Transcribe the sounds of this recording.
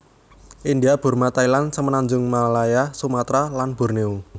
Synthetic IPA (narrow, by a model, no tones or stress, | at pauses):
ʔind̪iab̥ṳrmat̪ailansəmənaɲd͡ʒʊŋmalajasumat̪ɾalanb̥ṳrneu